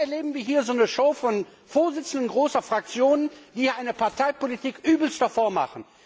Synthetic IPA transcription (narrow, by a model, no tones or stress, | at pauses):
ɛɐleːbm̩viːɐɦiːɐzoːnəʃoʊfɔn | foːɐzɪt͡sn̩dənɡʁoːsɐfʁ̥ak̚t͡sjoːnənd̥iːʔaɪnəpaɐtaɪpolitiːkʔyːbl̩stɐfoːɐma̰χən̩